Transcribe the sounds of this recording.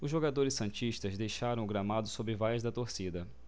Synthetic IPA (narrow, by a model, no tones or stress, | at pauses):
ʊzʒoɡad̪oɾɪsːɐ̃t͡ʃiʃt̪ɐzd̪ejʃaɾɐ̃w̃ʊɡɾamad̪ʊsobɾɪvajɐzd̪ɐt̪oɾsid̪ɐ